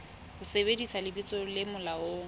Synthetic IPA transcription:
hʊsebedisalɪbit͡sʼolɪmʊlaoːŋ̩

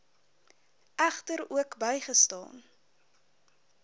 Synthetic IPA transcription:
ʔæχtəɾuəkbəjχəstɑ̰ːn

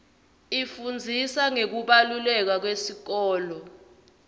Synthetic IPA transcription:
ifund͡zʱisaŋek̬uɓalulɛk̬ak̬wesik̬ɔːlɔ

